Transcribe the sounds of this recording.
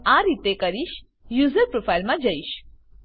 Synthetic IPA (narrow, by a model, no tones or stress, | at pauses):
ãɾit̪ekəɾiʃ | juːzəɾpɾofʰailmãd͡ʒəiʃ